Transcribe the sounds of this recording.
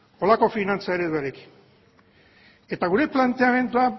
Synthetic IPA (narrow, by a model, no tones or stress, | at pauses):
o̞lako̞finant͡saeɾeðaɾeki̥n | e̞t̪aɣ̞uɾe̞plant̪e̞ame̞nd̪ua